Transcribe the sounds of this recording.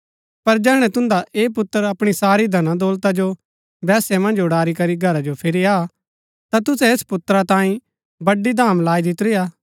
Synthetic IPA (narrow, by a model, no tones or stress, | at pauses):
pɐɾd͡ʒɛːɽ̃ɛ̃t̪ʊ̃nd̪aʔeːp̬ʊt̪ːəɾɐpɽ̃isaːɾid̪ʱɐnãd̪ɔːlt̪ad͡ʒo | bɛːsɛmɐ̃nd͡ʒʊɽaːɾikɐɾiɡʱɐɾad͡ʒopʰɪɾia | t̪at̪ʊsɛespʊt̪ːɾat̪ãːĩ | bɐɖid̪ʱaːmlaːid̪ɪt̪ɾɪjaː